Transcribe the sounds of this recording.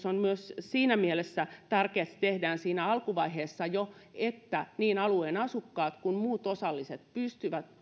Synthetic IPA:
sonmyøssiːnæmielesːæt̪ærkeːt̪st̪ehdæːnsiːnæɑlkuʋɑiɦeːsːɑjoet̪ːæniːnɑlueːnɑsukːɑːt̪kunmuːt̪osɑlːiset̪̚pyst̪yʋæt̪

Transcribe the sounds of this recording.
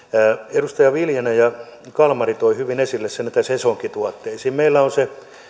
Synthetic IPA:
æedust̪ɑjɑʋiljenæjɑ | kɑlmɑrit̪oihyʋinesilːessenit̪æsesoŋkit̪uɑt̪ːeisiːmmeilːæonse

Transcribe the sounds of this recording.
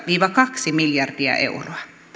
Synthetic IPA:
ʋiːʋɑkɑksimiljɑrd̥iɑ̰ʔḛuroɑ

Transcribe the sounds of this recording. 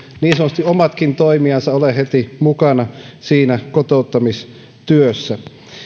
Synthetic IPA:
niːnsɑnːˑost̪iomɑt̪kint̪oimiɑnsɑolehet̪imukɑnɑsiːnækot̪out̪ːɑmis | t̪yøsːæ

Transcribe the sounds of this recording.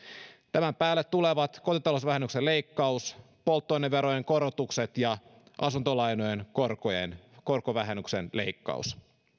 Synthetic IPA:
t̪æmæmpæːlːet̪ːuleʋɑt̪ko̞t̪it̪ɑlosʋæɦenːyksele̞ikːɑus | polt̪ːojnːeʋʋe̞ɾojeŋko̞ɾot̪ukset̪jɑʔɑsunt̪olɑjnojenkorkojḛnko̞rkoʋæɦenːyksenle̞̰ikːɑ̰ṵs

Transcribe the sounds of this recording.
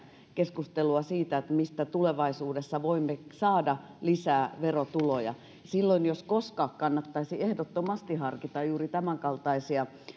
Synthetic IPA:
keskust̪eluɑsiːt̪æet̪mist̪æt̪uleʋɑisuːdesːɑʋoimːesɑːdɑ | lisæːʋerot̪ulojɑ̰ | silːoinjoskoskɑːkkɑnːɑt̪ːɑisiehdot̪ːomɑst̪ihɑrkit̪ɑjjuːrit̪æmæŋkɑlt̪ɑisiɑ

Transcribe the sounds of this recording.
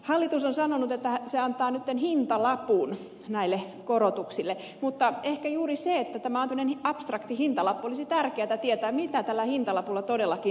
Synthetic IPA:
hɑlːit̪usonsɑnonut̪et̪ːæseɑnt̪ˑɑːnyt̪ːenhint̪ɑlɑpuːn | næilːe | korot̪uksilːe | mut̪ːɑehkæjuːriseet̪ːæt̪æmæonæmnenɑpst̪rɑkt̪ihint̪ɑlɑpːuolisit̪ærkeæt̪æt̪iet̪æːmit̪æt̪ælːæhint̪ɑlɑpulːɑt̪odelːɑki

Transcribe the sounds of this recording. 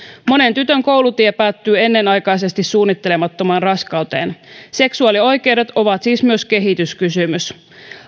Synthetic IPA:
mo̞ne̞nt̪yt̪øŋko̞wlut̪iepæːt̪ːyːe̞nːe̞nɑjkɑjs̬e̞st̪isːuːnːit̪ːe̞lemɑt̪ːomɑːnrɑskɑwt̪e̞̰ːnse̞ksuɑːlio̞jk̟e̞wɾe̞t̪o̞ʋɑt̪siːsmyøske̞ɦit̪yskysymys

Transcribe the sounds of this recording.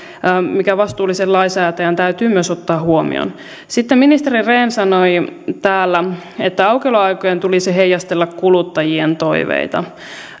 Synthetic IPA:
mikæʋɑst̪uːlːˑisellɑisæːt̪æjænt̪æyt̪yːmyøsot̪ːɑːhuomḭo̰n | sit̪ːeminist̪eɾireːnsɑnoit̪æːlːæ | et̪ːæɑwkeloɑjkojent̪ulisiɦejɑst̪elːɑkkulut̪ːɑjient̪o̞iʋḛit̪ɑ̰

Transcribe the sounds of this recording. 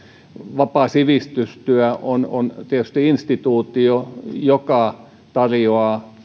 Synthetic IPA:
ʋɑpɑˑsiʋist̪yst̪yæonont̪iæt̪y̥st̪iinst̪it̪uːt̪iojokɑ | t̪ɑrjoɑːˑ

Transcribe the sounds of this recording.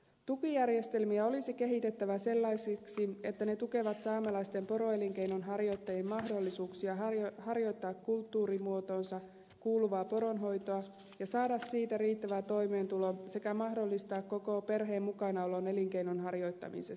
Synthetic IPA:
t̪ukijærje̞st̪e̞lmiæo̞lisike̞ɦit̪e̞t̪ːæʋæse̞lːɑjsiksie̞t̪ːæne̞t̪uke̞ʋɑt̪sɑːmelɑjst̪e̞mpo̞ɾo̞e̞liŋkejno̞nɦɑrjo̞jt̪ːɑjemmɑɦdo̞lːisuːksiɑhɑrjo̞jt̪ːɑːkkult̪ːuːɾimuo̞t̪o̞ːnsɑ | kuːluʋɑːpo̞ɾo̞nɦo̞jt̪oɑ | jɑsɑːdɑssiːt̪æriːt̪ːæʋæt̪o̞jme̞ːnt̪ulo̞se̞kæmɑɦdo̞lːist̪ɑːkko̞ko̞pe̞rɦe̞ːmːukɑnɑolo̞ne̞liŋke̞inonɦɑrjo̞jt̪ːɑ̰mḭses

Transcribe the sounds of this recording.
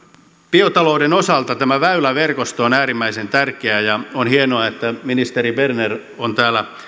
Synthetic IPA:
piot̪ɑloudenosɑlt̪ɑt̪æmæʋæylæʋerkost̪oonæːɾimːæisent̪ærkeæjɑonhienoɑet̪ːæminist̪eɾiberner | ont̪æːlːæ

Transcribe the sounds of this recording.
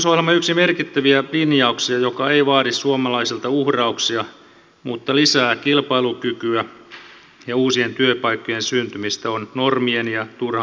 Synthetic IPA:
sohlemːɑyksimerkit̪ːæʋiælinjɑuksiɑjokɑeiʋɑːɾissuomɑlɑisilt̪ɑuhrɑuksiɑ | mut̪ːɑlisæːkilpɑilukykyæ | jɑuːsient̪yøpɑikːojensynt̪ymist̪æonnormienjɑt̪urhɑ

